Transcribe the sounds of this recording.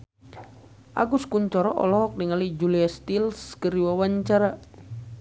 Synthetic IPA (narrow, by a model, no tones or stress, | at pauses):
ʔa̰ɡuskuɲt͡ʃɔɾɔʔɔ̰lɔɦɔk̚niŋalid͡ʒuliast̪ilskəɾiwawaɲt͡ʃaɾa